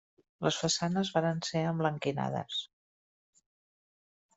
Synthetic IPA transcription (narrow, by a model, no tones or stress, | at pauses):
ləsfəsanəzβaɾənseəmbləŋkina̰ðə̰s